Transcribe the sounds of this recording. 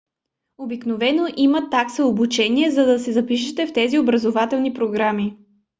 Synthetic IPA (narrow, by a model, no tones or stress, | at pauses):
obiknovɛnoʔimɐt̪aksəobut͡ʃɛniɛzɐd̪ɐsɛzɐpiʃɛt̪ɛft̪ɛziobɾɐzovat̪ɛlˠnipɾoɡɾami